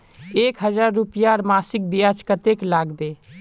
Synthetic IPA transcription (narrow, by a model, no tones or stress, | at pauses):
ekɦəd͡ʒaɾːupjaɾmasik̚bijad͡ʒkət̪eklaɡbe